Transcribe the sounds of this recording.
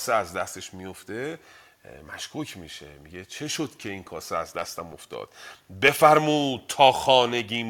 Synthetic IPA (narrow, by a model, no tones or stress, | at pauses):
seæzd̪æst̪eʃmijo̞ft̪e̞ | mæʃkʰuːcʰmiʃe̞̰miɡe̞t͡ʃʰe̞ʃod̪̥cʲʰe̞inkʰɒːseæzd̪æst̪æmo̞̰ft̪ɒ̰ːd̪̥be̞fæɾmuːd̪̚t̪ʰːɒːxɒːne̞ɟiːm